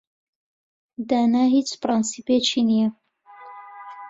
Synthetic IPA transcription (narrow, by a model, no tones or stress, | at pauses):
d̪aːnaːɦit͡ʃpɾɑnsipet͡ʃʰinijɐ